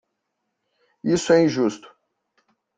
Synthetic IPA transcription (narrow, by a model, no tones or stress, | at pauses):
isʊɛĩʒust̪ʊ̥